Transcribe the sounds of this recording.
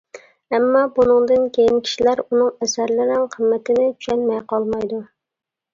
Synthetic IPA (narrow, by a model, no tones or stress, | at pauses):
ɛmːɑbunɨŋd̪ɨnkʲʰejinkʲʰi̥ʃilæɾunɨŋɛsæɾlɪɾɪŋqʰəmːɛt̪ʰɪnɪt͡ʃʰy̥ʃɛnmɛjqɑlˠmɑjd̪u